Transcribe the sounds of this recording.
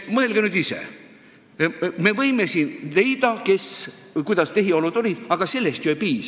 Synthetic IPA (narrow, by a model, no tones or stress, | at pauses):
mɤelɡ̥enyd̪isḛ | me̞vɤjme̞siːnle̞jd̪̥ɑke̞skujd̪ɑst̪e̞ɦio̞lud̪̥o̞lʲid̪̥ɑɡ̥ɑse̞lːe̞st̪joepiːs